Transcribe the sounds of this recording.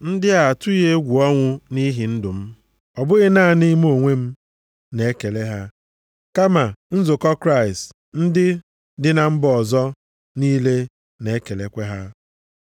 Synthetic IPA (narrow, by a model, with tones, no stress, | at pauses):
n̩˦dɪ˦a˨a˨tʊ˦i˦ɦe˦ɡʷu˨ɔ˦ŋʷʊ˦ni˦ɦi˨n̩˦dʊ˨m̩˦ | ɔ˨bʊ˦ɣɪ˦na˦ni˦m˦o˨ŋʷe˦m̩˦ | ne˨˦ke˨le˦ɦa˦ | ka˦ma˨n̩˦zʊ˨kɔ˦kɾa˦˨ɪ˨st | n̩˦dɪ˦ | dɪ˦na˨m̩˦bɔ˨zɔ˦ | niː˦le˦ | ne˨e˦ke˨le˨kʷe˦ɦa˦